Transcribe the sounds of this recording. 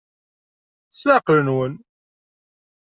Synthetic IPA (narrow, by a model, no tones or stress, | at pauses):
slaqəɾənwən